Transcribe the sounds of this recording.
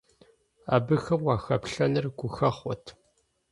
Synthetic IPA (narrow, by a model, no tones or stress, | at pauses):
a̰ːbɨxɐmwɑːxɐpɬɐnɨrɡʷʊxɐχʷɔtʰ